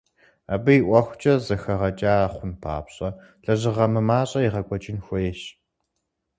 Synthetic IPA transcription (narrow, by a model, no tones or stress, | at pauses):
a̰bɨiʔʷɐxʷt͡ʃʼɐzɐxɐʁɐt͡ʃʼaːaχʷʊnpʰa̰ːpɕʼɐ | ɬɐʑɪʁɐmɨmaːɕʼɐiʁɐkʷʼɔt͡ʃʼɪnxʷɔjɛɕ